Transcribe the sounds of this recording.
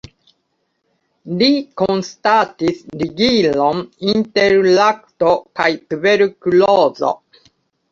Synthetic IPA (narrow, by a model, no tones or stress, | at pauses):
likõnst̪at̪isɾiɡilõmĩnt̪eɾlakɯ̥t̪okait̪ɯbeɾɯkɯloːzo̰